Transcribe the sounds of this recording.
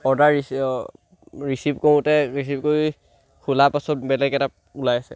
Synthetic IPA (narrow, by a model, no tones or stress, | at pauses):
ɔɹdaɹi | ɹisipkowʊ̃tɛɹisipkoɹi | kʰulapasɔt̚bɛlɛɡɛta | ulajasɛ̰